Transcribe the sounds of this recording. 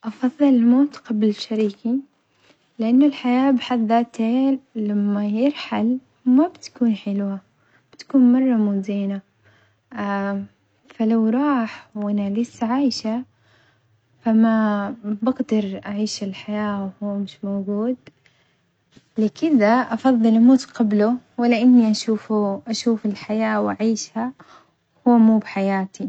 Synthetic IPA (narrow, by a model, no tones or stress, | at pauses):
ʔɑfɑðˤːɑlɪlmoːt̪qɑblɪʃaɾiːki | lɪʔanːʊlħajaːbɪħad̪ːaːt̪ʰeːlamːajɪɾħal | mabt̪kuːnħɪlwa | b̥ɪt̪ḁkuːnmɑrˤːɑmʊziːna | falawɾˤɑːħwʔanalɪsːʕaːjʃa | famabɪɡd̪ɑɾˤʔaʕiːʃɪlħajaːwhuːmɪʃmowɡuːd̪ | lɪkɪd̪aʔɑfɑðˤːɨlʔmuːt̪qɑbluwɪlaʔɪnːiʔaʃuːfuʔaʃuːfɪlħajaːwʔaʕiːʃha | huːmuːbħajaːt̪i